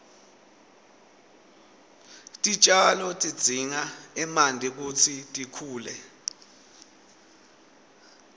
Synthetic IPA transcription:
tʼit͡ʃʼalɔtʼid̥d͡z̥ʱiŋaɛmandʱʼik̬utʰitʼikʰuːlɛ

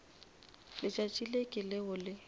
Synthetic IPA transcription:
lɪt͡ʃʼat͡ʃʼilekʼɪlɪɦʊlɪ

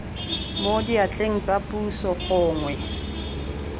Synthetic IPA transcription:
modiat͡ɬʼeŋ̩t͡sʼapʼusɔχʊːŋwɛ

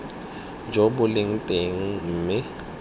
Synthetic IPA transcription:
d͡ʒɔbʊlɪŋ̩tʼeŋ̩m̩ːmɪ

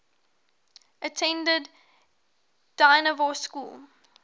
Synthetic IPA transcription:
ʔətʰɛ̃ndəd | d̥aɪnəvɔskṵːlˠ

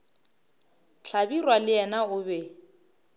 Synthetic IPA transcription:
ɬʰabirwalɪɛnaʊbɛ

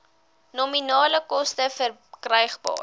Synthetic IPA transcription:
nɔminɑːləkɔstəfər | krɛjχbɑ̰ː

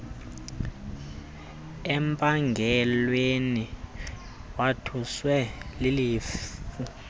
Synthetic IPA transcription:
ɛmpʼaŋɡʱɛlweni | watʰuswɛliliːfu

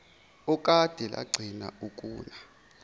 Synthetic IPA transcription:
ukʼad̥ʱɛlʔa̰ɡ͡ǀʱina̰ukʼuːna

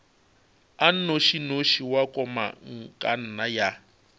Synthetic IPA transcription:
an̩noʃinoʃiwakʼɔma̰ŋ̩kʼa̰n̩naja

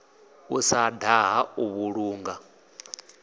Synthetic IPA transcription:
usadaɦauβuɺuːŋɡa

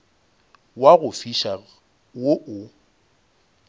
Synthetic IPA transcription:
waɣʊfiʃa | woʔʊ

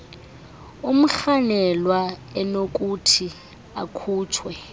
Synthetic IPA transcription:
um̩ɬanɛlwaɛnok̬ʼutʰi | a̰kʰuːt͡ʃʰwɛ

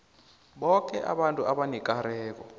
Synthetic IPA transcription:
ɓɔk̬ʼɛʔa̰ɓantʼuʔaɓanikʼaɾɛːkɔ

